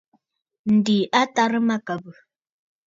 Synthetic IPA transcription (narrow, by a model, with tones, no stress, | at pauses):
n̩˨di˨ʔa˦ta˦ɾə˦ma˦kə˨bə˨